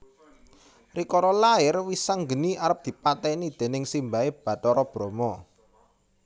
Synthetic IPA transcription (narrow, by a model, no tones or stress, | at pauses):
rikɔɾɔlaɪrwisaŋɡəniaɾəp̚d̪̥i̤pat̪ɛnid̪̥e̤nɪŋsimbaeb̥ä̤t̪ɔɾɔb̥ɾomɔ